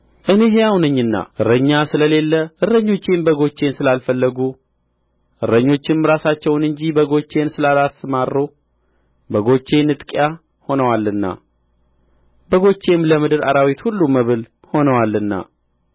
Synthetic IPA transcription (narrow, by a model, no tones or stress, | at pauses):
ʔɨne̞ɦejawnɨɲːɨnːa̰ʔɨɾːəɲːasɨləle̞lːəʔɨrəɲːo̞t͡ʃːembəɡo̞t͡ʃːe̞nsɨlalfəlːəɡu | ʔɨɾːəɲːo̞t͡ʃːɪnɾasat͡ʃːɛwnɨɲd͡ʒibəɡo̞t͡ʃːe̞nsɨlalasmarːo | bəɡo̞t͡ʃːe̞nɨt̪ʼkʼja | ho̞nəwalːɨnːa̰ | bəɡo̞t͡ʃːe̞mləmɨd̪ɨɾaɾawit̪hulːuməβɨl | ho̞nəwalːɨnːa̰